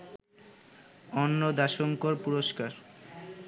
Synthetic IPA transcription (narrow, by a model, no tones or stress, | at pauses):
ɔnːod̪aʃoŋkoɾpuɾoʃkaɾ